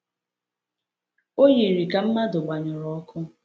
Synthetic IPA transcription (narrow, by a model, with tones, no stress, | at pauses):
o˦ji˨ɾi˨ka˨m̩˦ma˦dʊ˨ɡ͡ba˨ɲʊ˨ɾɔ˨˦kʰʊ˦